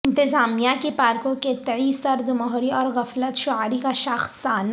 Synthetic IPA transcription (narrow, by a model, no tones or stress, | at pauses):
ɪ̃nt̪ɪzaːmijakepaːɾkõket̪ɐisɐɾd̪mɔɦɾiɔːɾɣɐflət̪ʃʊaːɾikaʃaxsaːn